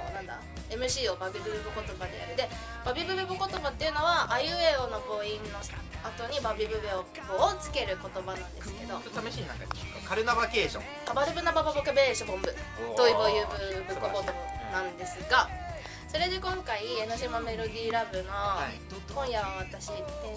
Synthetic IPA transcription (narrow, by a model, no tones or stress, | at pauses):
nãnd̪a̰ | e̞mɯ̟ɕiːo̞babʲibɯbɯbɯko̞t̪o̞bad̪e̞ja̰ɾɯd̪e̞ | b̥abʲibɯ̟bɯbɯko̞t̪o̞bat̪ːe̞jiɯ̟no̞βaajɯeono̞po̞ĩnːo | at̪o̞ɲ̟ibabʲibɯ̟beokboːt͡sɨ̥ke̞ɾɯ̟ko̞t̪o̞banãnd̪esɨ̥ke̞d̪o̞ot̪ʰameɕinã̰ŋka̰ɲa̰kaɾɯnabakeːɕõ | abaɾɯ̟bɯ̟nabababokɯbeɕobõmbɯ̟d̪oibojɯbɯ̟bɯkokot̪obanãnd̪e̞sɨɡa | so̞ɾe̞d̪e̞kõ̞ŋkaienoɕ̬imame̞ɾo̞d̪ʲiːɾabɯ̟no̞d̪̥ot̪ːkõɰ̃jaβat̪aɕie